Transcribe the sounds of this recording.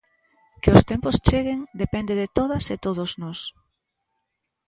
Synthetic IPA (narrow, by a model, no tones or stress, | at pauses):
kɪost̪ɛmpost͡ʃeɣeŋd̪epɛnd̪eðɪt̪oðɐset̪oðoznɔs